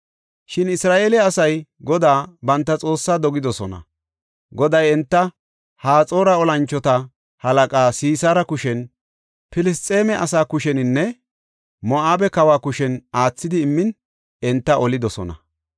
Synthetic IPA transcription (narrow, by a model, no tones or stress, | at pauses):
ʃɪnɪsɾaːʔeːlɛɐsɐjɡɔd̪aːbɐnt̪ːɐt͡sʼo̞ːsːaːd̪ɔɡɪd̪ɔsɔnɐ̰ | ɡɔd̪ɐjɛnt̪ːɐ | haːt͡sʼo̞ːɾɐɔlɐnt͡ʃːɔt̪ɐ | hɐlɐkʼaːsiːsaːɾɐkʊʃɛn | pɪlɪs̬t͡s̪ʼe̞ːmɛʔɐsaːkʊʃɛnɪnːɛ | mɔʔaːbɛkɐwaːkʊʃɛnaːt͡sːɪd̪ɪːmːɪn | ɛnt̪ːɐʔɔlɪd̪ɔsɔ̰nɐ̰